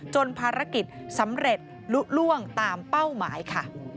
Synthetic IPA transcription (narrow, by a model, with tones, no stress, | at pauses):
t͡ɕo˧npʰaː˧ɾa˦˥ki˨˩t̪̚sa˩˦mɾe˨˩t̪̚ | lu˦˥ʔ̚lu˥˩əŋt̪aː˧mpa˥˩wmaː˩˦jkʰa˥˩